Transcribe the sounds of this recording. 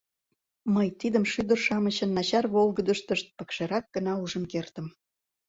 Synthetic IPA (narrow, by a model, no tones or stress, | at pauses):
məjt̪id̪əmʃyd̪ərʃɑmət͡ɕə̆nːɑt͡ɕɑrβolɣəd̪əʃt̪əʃt̪̚pə̆kʃeɾɑk̚ɡ̥ənɑuʒə̆nkert̪ə̆m